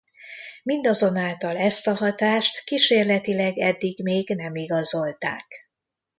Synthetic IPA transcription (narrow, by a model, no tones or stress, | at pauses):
mind̪ɒzo̞naːlt̪ɒlɛst̪ɒɦɒt̪aːʃt̪kiʃeːrlɛt̪ilɛɡɛd̪ːiɡmeːɡnɛmiɡɒzo̞lt̪a̰ːk